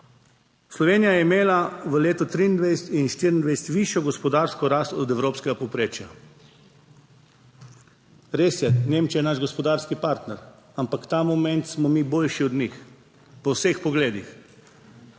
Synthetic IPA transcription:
slɔʋeːnijajɛimeːlaʋəleːt̪ɔt̪ɾiːnd̪ʋɛjsɛt̪inʃt̪iɾind̪ʋɛjsɛt̪ʋiʃjɔɡɔspɔd̪aːɾskɔɾast̪ɔd̪ɛwɾoːpskɛɡapɔwpɾeːt͡ʃja | ɾeːsjɛneːmt͡ʃijɛnaʒɡɔspɔd̪aːɾskipaɾt̪nɛɾ | ampakt̪amɔmɛ̃nt̪smɔmiboːlʃiɔd̪nʲix | pɔwsexpɔɡleːd̪ix

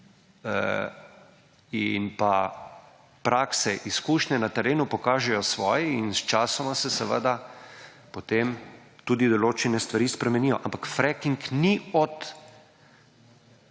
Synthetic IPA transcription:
ə | inpa | pɾʔaːksɛʔiskuːʃnɛnat̪ɛɾeːnupɔkaːʒɛjɔsʋɔːjɛinst͡ʃaːsɔmasɛsɛʋəd̪a | pot̪eːm | t̪uːd̪id̪ɔloːt͡ʃɛnɛst̪ʋaɾiːspɾɛmɛniːjɔ̰ʔampakfɾɛkiŋkniɔt̪

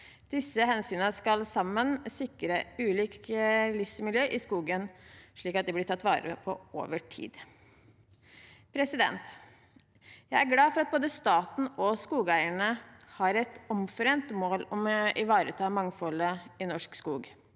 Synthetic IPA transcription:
d̪̥ɪsːəhɛnsyːnəskɑlsɑmːənsɪkɾəʉːliːklɪfsmɪljøːʔɪskuːɡənʂɭiːkɑt̪̚d̪ɛblɪʈʰɑt̪ːʋɑ̰ːɾə̰pʰɔ̰o̰ːʋəʈʰḭːd̪ | pʰɾɛsɪd̪ɛ̰nt̪ | jæɪæɾɡlɑːfɔɾɑt̪̚boːd̪əst̪ɑːt̪n̩ɔskuːɡæɪəɳəhɑɾɛt̪ɔmfɔɾɛeːnt̪moːlɔmɪʋɑːɾət̪ʰɑːmɑŋfɔləɪnɔʂkskuːɡ

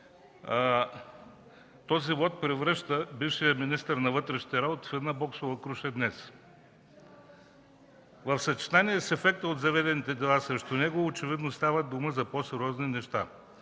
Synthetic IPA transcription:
t̪ɔzivɔt̪̚pɾɛvɾəʃt̪əbifʃijɐminist̪əɾnɐvɤt̪ɾɛʃniɐɾaot̪i̥fɛd̪nabɔksovɐkɾuʃɛd̪nɛs | vɐfsɐt͡ʃi̥t̪aniɛsɛfɛkt̪əod̪zɐvɛd̪ɛnit̪ɛd̪ɛlˠasɾɛʃt̪onɛɡoːt͡ʃɛvid̪nost̪avəd̪uməzɐposɛɾʲɔzninɛʃt̪a

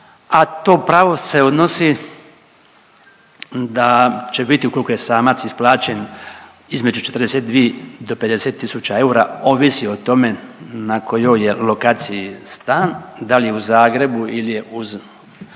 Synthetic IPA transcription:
at̪o̞ːpɾaʋo̞se̞od̪no̞si | d̪at͡ɕe̞bit̪iukolikojesaːmat̪sisplˠaːt͡ɕe̞n | izme̞d͡ʒut͡ʃe̞t̪rd̪eset̪̚d̪ʋied̪o̞pe̞d̪e̞se̞t̪ːisut͡ɕae̞uɾao̞ʋisio̞t̪o̞me̞nako̞jo̞je̞lo̞kaːt̪sijist̪aːnd̪alijeuzaːɡɾe̞builijeʔuz

